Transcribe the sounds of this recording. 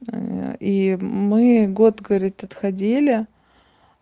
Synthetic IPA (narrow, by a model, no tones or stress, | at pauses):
imɨɡo̞t̪ɡəvɐɾʲit̪ʲɐt̪xɐdʲelʲɪ